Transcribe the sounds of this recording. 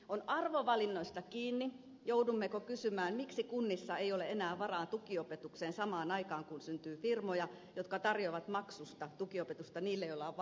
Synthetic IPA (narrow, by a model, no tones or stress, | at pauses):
onʔɑrʋoʋɑlinːoist̪ɑkiːnːi | joudumːekokysymæːnmiksikunːisːɑeijoleʔenæːʋɑrɑːnt̪ukiopet̪ukseːnsɑmɑːnɑikɑːŋkunsynt̪yːfirmojɑ | jot̪kɑt̪ɑrjoʋɑt̪mɑksust̪ɑt̪ukiopet̪ust̪ɑniːlːejolːɑʋ